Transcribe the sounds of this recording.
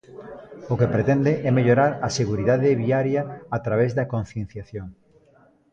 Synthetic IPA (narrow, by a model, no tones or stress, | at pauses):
ʊkepɾet̪ɛnd̪ɪʔɛmeʎoɾaɾɐseɣuɾiðaðɪβiaɾjɐːt̪ɾaβezðɐkõnθjẽn̟θjaθjoŋ